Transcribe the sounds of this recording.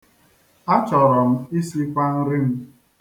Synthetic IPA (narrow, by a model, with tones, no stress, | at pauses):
a˦t͡ʃɔ˨ɾɔ˨m̩˦i˦si˦kʷa˦n̩˦ɾi˦m̩˦